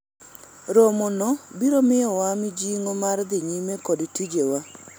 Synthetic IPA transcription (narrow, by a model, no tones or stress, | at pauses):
ɾomonɔbiɾomɪjɔwamɪd͡ʒiŋomard̪ɪɲimekodtid͡ʒewa